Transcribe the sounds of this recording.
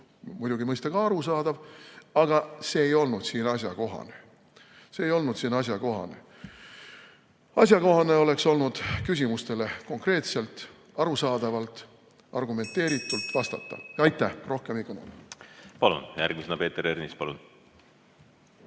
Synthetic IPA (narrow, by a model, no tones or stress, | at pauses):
mujd̪uɡimɤjst̪ɑɡ̥ɑɑɾusɑːd̪̥ɑvɑɡ̥ɑse̞ːjo̞lnud̪̥siːnɑsʲjɑko̞ɦɑ̰ne̞ | se̞ːjo̞lnud̪̥siːnɑs̬ʲjɑko̞ɦɑ̰ne̞ | ɑsjɑko̞ɦɑne̞o̞le̞kso̞lnud̪̥kys̬ʲimust̪e̞le̞ko̞ŋkre̞ːt̪se̞lt̪ | ɑɾusɑːd̪̥ɑvɑlt̪ˑ | ɑrɡume̞nt̪ːe̞ːɾit̪ːˑult̪ːˑvɑst̪ɑ̰t̪ːɑ̰ɑjt̪ːˑæhro̞hke̞mikɑnonpɑlṵnjæ̰rɡ̥misenɑpe̞ːt̪eɾernispɑlun